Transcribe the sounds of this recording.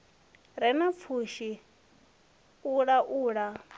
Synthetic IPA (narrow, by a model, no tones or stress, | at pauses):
ɾɛnap̪fʰuʃi | uɺaʔuːɺa